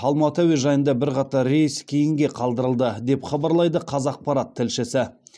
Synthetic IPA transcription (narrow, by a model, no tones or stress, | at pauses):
ɑlˠmɑt̪ovijʒɑjənd̪ɑbɪɾqɑt̪ɑɾːejəskʲʰe̞jɪŋɡʲe̞qʰɑlˠd̪əɾəlˠd̪əd̪e̞pχɑbɑɾlˠɑjd̪əqʰɑzɑq̚pɑɾɑt̪ʰːɪlʃɪsɪ